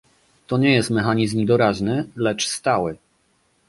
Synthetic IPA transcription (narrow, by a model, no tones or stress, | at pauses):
t̪ɔɲɛjɛst̪mɛxaɲizmd̪ɔɾaʑnɘlɛt͡ʂst̪awɘ